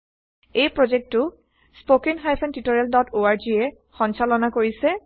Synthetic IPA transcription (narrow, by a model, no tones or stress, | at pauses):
ejpɹozek̚tʊ | spokenɦajpʰɛntitoɹaldɔtʰoaɹd͡ʒiɛ | xɔnsalɔnakoɹisɛ